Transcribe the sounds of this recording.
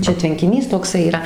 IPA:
ˈt͡ʃʲɛ tʲʋʲɛŋʲkʲɪˈnʲiːs toːkˈsɐɪ iːˈrɐ

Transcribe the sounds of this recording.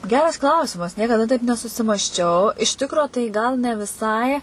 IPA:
ˈɡʲæːrɐs ˈklˠɐʊsʲɪmɐs nʲiɛkɐˈdɐ tɐɪp nʲɛsʊsʲɪmɐsʲˈt͡ʃʲɛʊ ɪʃ ˈtʲɪkroː tɐɪ ɡɐlˠ nʲɛ ʋʲɪˈsɐɪ

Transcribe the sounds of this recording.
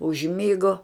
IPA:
ʊʒʲˈmʲɪɡoː

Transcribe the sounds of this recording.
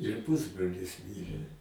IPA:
ɪr ˈpʊzbroːlʲɪs ˈmʲɪrʲeː

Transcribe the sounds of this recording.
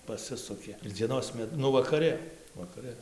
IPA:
pɐˈsʲɪsʊkʲeː ɪr d͡zʲiɛˈnoːs ˈmʲɛt ˈnʊ ʋɐkɐˈrɨ ʋɐkɐˈrɨ

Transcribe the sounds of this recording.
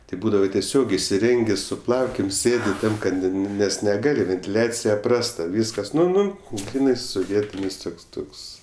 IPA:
ˈtɐɪ ˈbuːdɐʋɐ tʲɛˈsʲoːk ɪsʲɪˈrʲɛŋʲɡʲeː sʊ ˈplˠɐʊkʲeːm ˈsʲeːdʲɪ ˈtɐm kɐt ˈnʊ nʊ ˈnʲɛs nʲɛˈɡɑːlʲɪ ʋʲɛnʲtʲɪˈlʲæːt͡sʲɪjɛ ˈprɑːstɐ ˈʋʲiːskɐs ˈnʊ ˈnʊ ˈɡrʲiːnɐɪ sʊˈʋʲiɛtʲɪnʲɪs ˈtʊks ˈtʊks

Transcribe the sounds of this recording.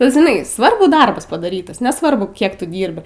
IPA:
ˈbʲɛt ʒʲɪˈnɐɪ ˈsʋɐrbʊ ˈdɐrbɐs pɐdɐˈrʲiːtɐs nʲɛˈsʋɐrbʊ ˈkʲiɛk ˈtʊ ˈdʲiːrʲbʲɪ

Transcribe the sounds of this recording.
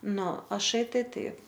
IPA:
ˈnʊ ɐˈʃɐɪ ˈtɐɪ ˈtɐɪp

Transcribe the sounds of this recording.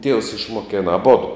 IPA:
tʲiɛws ɪʃmoːˈkʲeːnɐ ɐˈboːdoː

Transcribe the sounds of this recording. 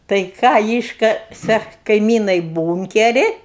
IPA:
tɐɪ ˈkɑː ˈiːʃkɐsʲɛ kɐɪˈmʲiːnɐɪ ˈbuːŋʲkʲɛrʲɪ

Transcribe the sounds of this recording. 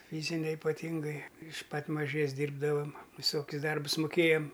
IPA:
ˈfʲiːzʲɪnʲɛ ɪpɐˈtʲiːŋɡɐɪ ɪʃ ˈpɐt mɐˈʒʲeːs ˈdʲiːrbdɐʋɐm ʋʲɪˈsoːkʲʊs ˈdɐrbʊs mʊˈkʲeːjɛm

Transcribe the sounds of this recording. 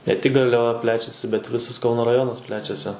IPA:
nʲɛ tʲɪk ɡɐrʲlʲɛˈʋɐ ˈpʲlʲæːt͡ʃʲɛsʲɪ bʲɛt ˈʋʲɪsɐs ˈkɐʊnoː rɐˈjoːnɐs ˈpʲlʲæːt͡ʃʲɛsʲɪ

